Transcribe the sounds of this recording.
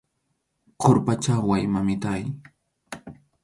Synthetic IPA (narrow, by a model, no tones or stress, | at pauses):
qʰoɾpat͡ʃawajmamɪt̪aj